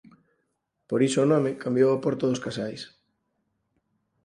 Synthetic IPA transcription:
poɾisoːnɔmɪkambjowapoɾt̪oðoskasajs

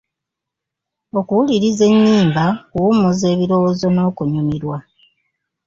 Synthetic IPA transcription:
o̞kuwuliɾize̞ɲːiːmbakuumuze̞ːβiɾo̞wozo̞no̞ːkuɲumiɾwa

